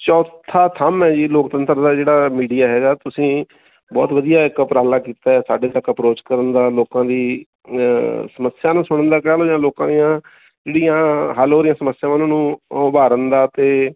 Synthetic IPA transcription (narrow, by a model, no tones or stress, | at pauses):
t͡ʃɔːt̪ʰaːt̪ʰəmɛːd͡ʒiːloːkt̪ənt̪əɾd̪aːd͡ʒeːɽaːmiːɖijaːɦɛːɡaːt̪ʊsĩː | bɔ̰ːt̪ʋəd̪ijaːɪkpɾaːlaːkiːt̪aːɛːsaːɖeːt̪əkəpɾoːt͡ʃkəɾənd̪aːloːkãːd̪iː | səməsɪjãːnũːsʊɽ̃ənd̪aːkɛːloːjãːloːkãːd̪ijãː | d͡ʒeːɽijãːɦaloːɾɪjãːsəməsːɪjãːanːnũːʊbaːɾənd̪aːt̪eː